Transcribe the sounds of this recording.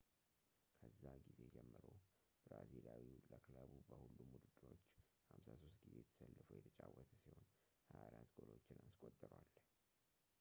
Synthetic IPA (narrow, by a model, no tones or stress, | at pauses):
kʰəzːaɡize̞d͡ʒɛmːɨɾo | bɾaziljawiləkʰləβubəhulːumud̪ɨd̪ɾo̞t͡ʃː | hamsaso̞st̪̚ɡize̞jt̪ʰə̥səlːɨfujɛt̪ʰət͡ʃʼawːət̪ʰəsiho̞n | hajaɾant̪ɡʼolot͡ʃːɪnanskʼot̪ʼːəɾwal